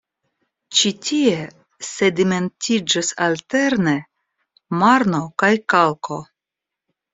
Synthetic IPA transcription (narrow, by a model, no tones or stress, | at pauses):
t͡ʃitʲʰie | se̞dime̞ntid͡ʒasalte̞ɾne̞ | maɾno̞kajkalko̞